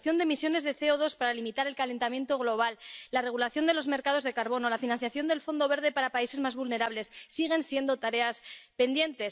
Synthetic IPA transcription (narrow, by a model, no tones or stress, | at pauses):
θjo̞nd̪e̞misjo̞ne̞zðe̞θe̞oðo̞spaɾalimit̪aɾe̞lkale̞nt̪amje̞nt̪o̞ɣ̞lo̞β̞alːare̞ɣ̞ulaθjo̞nd̪elo̞zme̞ɾkað̞o̞zðe̞kaɾβo̞no̞lafinãnθjaθjo̞nd̪e̞lfo̞nd̪o̞βe̞ɾðepaɾapaise̞zmazβulne̞ɾaβle̞sːiɣ̞e̞nsje̞nd̪o̞t̪aɾe̞aspe̞nd̪je̞nt̪e̞s